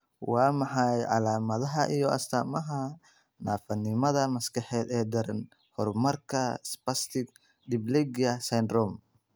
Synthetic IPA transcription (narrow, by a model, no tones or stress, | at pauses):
wɑːmɑħɑjʕɑ̰laːmɐðɐɦɐʔijɔʔɐ̰st̪ʰaːmɐɦɐ | naːfɐnːɪmɐðɐmɐskʰɐħɛːd̪ɛːd̪ɐɾɐn | hɔrmɐrkʰɐspɐst̪ʰɪɡ | d̪ɪblɛɡɐsɐnd̪rɔm